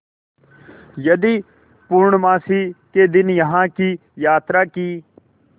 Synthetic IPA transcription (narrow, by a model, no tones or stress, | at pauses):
jəd̪iː | pʊɾɳmãːsiːkeːd̪ɪnjəɦãːkiːjaːt̪ɾaːkiː